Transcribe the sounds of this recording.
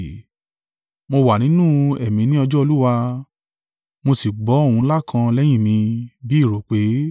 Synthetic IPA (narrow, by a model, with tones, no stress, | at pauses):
mo˧wa˨nĩ˨˦nũ˦ɛ˨mĩ˨˧nĩ˦ɔ˧d͡ʒɔ˦o˧lu˦wa˧ | mo˧si˨ɡ͡bɔ˨˦õ˦˨ũ˧˦la˦kʰã˧lɛ˦j̃ĩ˦˨mĩ˧bi˦i˦˨ɾo˨k͡pe˨˦